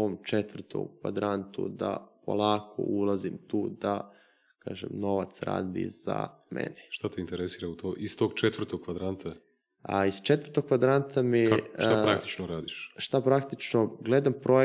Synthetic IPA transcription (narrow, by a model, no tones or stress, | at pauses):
oːmt͡ʃet̪ʋrt̪ʰo̰mkʋa̰d̪ɾant̪ṵd̪a̰pʰo̰lˠaːkʰo̰ʔulˠazimt̪uːd̪a | ka̰ːʒemno̞ʋat̪sɾa̰ːd̪ḭz̥a̰ | mḛneʃt̪at̪eint̪eɾesiːɾaut̪oʔist̪oɡt͡ʃet̪ʋr̩t̪oɡ̚kːʋad̪ɾant̪ʰa | ist͡ʃe̞t̪ʋər̩t̪oɡ̚kːʋad̪ɾant̪ʰamit̪apɾakt̪i̥t͡ʃnoɾaːd̪iʃʃt̪apɾakt̪it͡ʃno̞ɡled̪ampɾoe